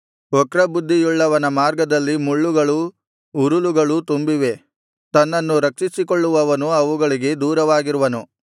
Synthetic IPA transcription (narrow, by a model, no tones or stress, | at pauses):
ɔkɾɐbud̪ʱːijuɭːɐʋɐnɐmaːɾɡɐd̪ɐlːimuɭːuɡɐɭu | uɾuluɡɐɭut̪umbiʋe̞ | t̪ɐnːɐnːuɾɐk̚t͡ʃisikoɭːuʋɐʋɐnuɐʋuɡɐɭiɡe̞d̪uːɾɐʋaːɡiɾuʋɐnu